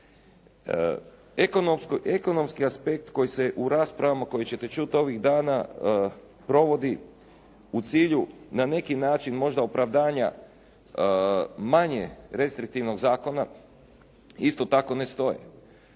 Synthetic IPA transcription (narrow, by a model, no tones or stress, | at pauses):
ekonomskoʔe̞ko̞no̞mskiaspe̞k̚t̪ko̞jise̞ʔuɾaːspɾaʋamako̞jet͡ɕe̞t̪e̞t͡ʃut̪o̞ʋiɣd̪aːna | pɾo̞ʋo̞d̪i | ut̪siːʎunane̞kinaːt͡ʃinmo̞ʒd̪aopɾaʋd̪aːɲa̰ | maɲeɾe̞st̪ɾik̚t̪iʋno̞ɡzaːko̞na | ist̪o̞t̪ako̞ne̞st̪o̞jḛ